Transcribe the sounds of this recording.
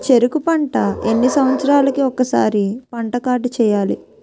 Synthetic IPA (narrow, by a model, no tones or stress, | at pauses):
t͡ʃeɾukupɐɳʈɐenːisɐmɐt̪sɐɾaːlɐkiɔkːɐsa̰ːɾipɐɳʈɐkaːɾʈut͡ʃɛːjaːlḭ